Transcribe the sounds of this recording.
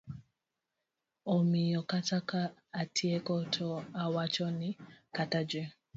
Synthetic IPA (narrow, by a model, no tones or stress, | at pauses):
ɔmijɔkatakaatʰiɛkɔtʰɔawat͡ʃɔnikatad͡ʒɛ